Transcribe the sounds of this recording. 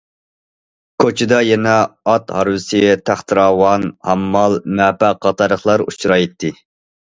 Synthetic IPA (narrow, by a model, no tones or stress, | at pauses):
kʰot͡ʃʰɪd̪ɑjɛnɛɑt̪hɑɾwɨsɨjɛt̪ʰæχt̪ʰɨɾɑːwɑnhɑmːɑlˠmɛːpæqːɑt̪ʰɑɾəχlˠɑɾṵt͡ʃʰɾɑjet̪ʰːɪ